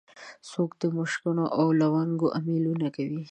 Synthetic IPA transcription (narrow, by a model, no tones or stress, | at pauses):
sokd̪əmʊʃkʊnoʔawlawaŋɡoʔamilunakawi